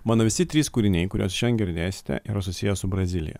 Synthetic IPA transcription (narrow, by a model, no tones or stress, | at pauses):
mɑːnoːʋʲɪsʲɪt̪ʲɾʲiːskuːɾʲɪnʲɛɪkʊɾʲo̰ːsʃʲɛnɡʲɪɾʲd̪ʲæːsʲɪ̥t̪ʲɛ̰ʔiːɾɐsʊsʲɪjɛsʊbɾɐzʲɪlʲɪ̰jɛ̰